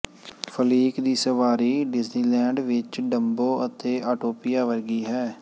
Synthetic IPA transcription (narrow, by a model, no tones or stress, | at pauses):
fʰəliːkd̪iːsəʋaːɾiːɖɪzniːlɛ̃ːɳɖʋɪt͡ʃɖəmboːət̪eːʔaːʈoːpɪjaːʋəɾɡiːɦɛː